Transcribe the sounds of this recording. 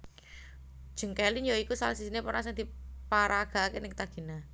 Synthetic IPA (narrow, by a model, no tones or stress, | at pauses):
d̥ʒ̥ə̤ŋkɛlinjoikusa̰lasisinepɔɾasɛŋd̪̥i̤paɾaɡ̥a̤kenɪŋkt̪aɡ̥i̤na